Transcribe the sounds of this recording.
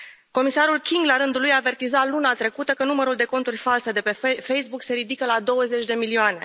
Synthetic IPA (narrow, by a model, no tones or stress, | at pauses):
ko̞misaɾulkʲiŋɡlaɾɨnd̪ulujaːve̞rt̪izalunat̪ɾe̞kut̪əkənuməɾuld̪e̞ko̞nt̪urʲfalse̞d̪e̞pe̞fejsbukse̞ɾid̪ikəlad̪o̞wəze̞t͡ʃʲd̪e̞milioane̞̰